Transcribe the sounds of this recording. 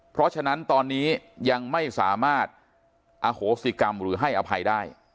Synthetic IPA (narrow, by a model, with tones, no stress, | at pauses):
pʰɾɔ˦˥t͡ɕʰa˧na˦˥nt̪ɔː˧nːiː˦˥ja˧ŋma˥˩jsa̰ː˩˦maː˥˩t̪̚ | ʔa˧hoː˩˦˥si˧˩ka˧mɾɯː˩˦ɦa˥˩jʔa˧pʰa˧jdaː˥˩j